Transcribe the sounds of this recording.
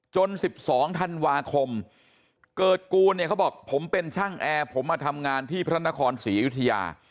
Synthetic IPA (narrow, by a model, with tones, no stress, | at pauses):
t͡ɕo˧nsi˨˩p̚sɔː˩˦ŋt̪ʰa˧nwaː˧kʰo˧m | kɤː˨˩t̪̚kuː˧nːi˥˩kʰa˦˥˩bɔː˨˩k̚pʰo˩˦mpe˧nt͡ɕʰa˥˩ŋʔɛː˧pʰo˩˦mːaː˧˩t̪ʰa˧mŋaː˧nt̪ʰiː˥˩pʰɾa˦˥na˦˥kʰɔː˧nsiː˩˦ju˦˥t̪ʰːa˧ja̰ː˧